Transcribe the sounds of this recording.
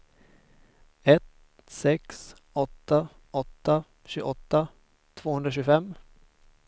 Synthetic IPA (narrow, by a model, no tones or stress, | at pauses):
ɛt̪ | sɛks | ɔt̪ːa | ɔt̪ːa | ɕʉːɡɔt̪ːa | t̪ʰv̥oːhɵnd̪ɾaɕ̬ʉːɡfɛmː